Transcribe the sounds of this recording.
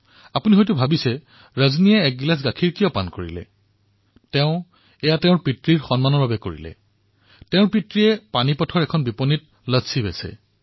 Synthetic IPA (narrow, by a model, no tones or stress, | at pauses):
apuniɦojtʊbʱabisɛ | ɹaznijɛɛk̚ɡilasɡakʰiɹkijɔpa̰nkoɹḭlɛ̰ | tɛʊ̃ | ɛjatɛʊ̃ɹpitɹiɹxɔnmanɔɹbabɛko̰ɹḭlɛ̰ | tɛ̃ʊɹpitɹiɛpanipɔtʰɔɹɛkʰɔnbipɔnit̚ | ləsʰibɛsɛ̰